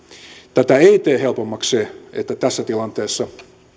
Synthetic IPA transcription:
t̪æt̪æeit̪eːhelpomːɑkseet̪ːæt̪æsːæt̪ilɑnt̪eːsːɑ

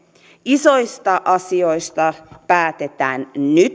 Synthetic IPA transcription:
iso̞ist̪ɑʔɑsio̞ist̪ɑpæːt̪et̪æːnnyt̪

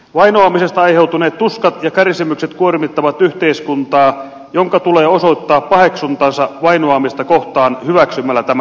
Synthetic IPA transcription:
ʋɑinoɑmise̞st̪ɑɑjhe̞wt̪uneːt̪ːuskɑt̪jɑkærsimykset̪kuormit̪ːɑʋɑt̪yht̪e̞iskunt̪ɑː | joŋkɑt̪uleːoso̞it̪ːɑːppɑhe̞ksunt̪ɑnsɑʋɑinoɑmist̪ɑkoht̪ɑːnhyʋæksymːælːæt̪æmæ

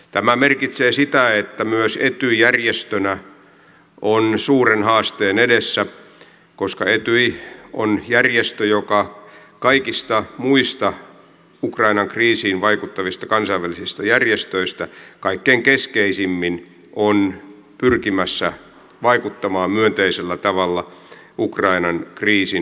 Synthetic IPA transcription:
t̪æmæmerkit̪seːsit̪æet̪ːæmyøset̪yjærjest̪ønæ | ʔonsuːrenhɑːst̪eːnedesːæ | koskɑet̪yio̰njærjest̪øjokɑ | kɑikist̪ɑmuist̪ɑ | ukrɑinɑŋkriːsiːnʋɑikut̪ːɑʋist̪ɑkɑnsɑiʋælːˑisist̪ɑjærjest̪øist̪ækɑikːeːŋkeskeisimːin | ʔon | pyrkimæsːæ | ʋɑikut̪ːɑmɑːmmyønt̪eiselːæt̪ɑʋɑlːɑ | ukrɑinɑnkriːsin

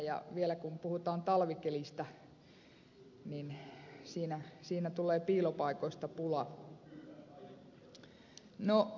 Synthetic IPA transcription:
jɑ̰ʋielækumpuhut̪ɑːnt̪ɑlʋikelist̪ɑ | ninsiːnæsiːnæt̪ulˑeːpiːlopɑikoist̪ɑpulɑ | no

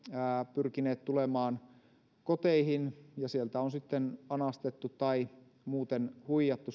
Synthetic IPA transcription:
æːpyrkineːt̪t̪ulemɑːn | kot̪eihinjɑsielt̪æonsit̪ːenɑnɑst̪et̪ːut̪t̪ɑi | muːt̪enhuijɑt̪ːu

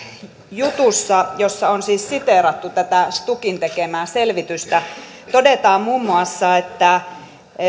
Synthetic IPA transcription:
jut̪usːɑjosːɑonsiːssit̪eˑɾɑt̪ːut̪æt̪æst̪ukint̪ekemæːselʋit̪yst̪æ | t̪odet̪ɑːmmuːmːuɑsːɑet̪ːæ

